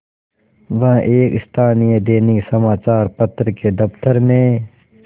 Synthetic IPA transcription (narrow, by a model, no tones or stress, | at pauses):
ʋɐɦʔeːkɪst̪ʰaːnijed̪eːnisɐmaːt͡ʃaːɾpɐt̪ɾked̪ɐpt̪əɾmẽː